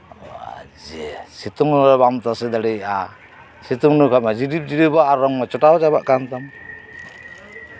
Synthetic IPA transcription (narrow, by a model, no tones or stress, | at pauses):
a̰d͡ʒɛsit̪uŋβamt̪asid̪aɾia | sit̪uŋnukamad͡ʒidip̚d͡ʒidibaːɾɔŋmɔt͡ʃɔʈawt͡ʃabaʔkant̪am